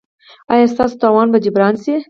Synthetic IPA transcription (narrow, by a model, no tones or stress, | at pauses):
ɑjɑst̪ɑːso̥t̪ɑːwɑnbad͡ʒɪbɾɑːnsi